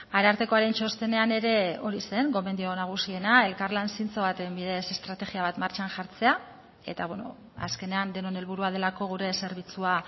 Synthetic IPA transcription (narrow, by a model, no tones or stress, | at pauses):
aɾaɾt̪e̞ko̞aɾe̞nt͡ʃo̞st̪e̞ne̞ane̞ɾe̞o̞ɾise̞ŋɡo̞mend̪io̞naɣ̞usie̞nae̞lkarlansint͡so̞βat̪embiðe̞se̞st̪ɾat̪e̞ɣiaβ̞at̪maɾt͡ʃanʝaɾt͡se̞a | e̞̰t̪aβweno̰ | a̰ske̞ne̞and̪e̞no̞ne̞lβuɾuað̞e̞lako̞ɣ̞uɾe̞se̞ɾβ̞it͡sua